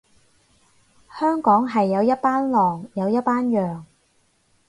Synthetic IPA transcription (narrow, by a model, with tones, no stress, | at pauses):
hœː˥ŋkɔː˨˥ŋɦɐ˨jːɐ˨˧wjɐ˥t̚paː˥nlɔː˨ŋjɐ˨˧wjɐ˥t̚paː˥njœː˨ŋ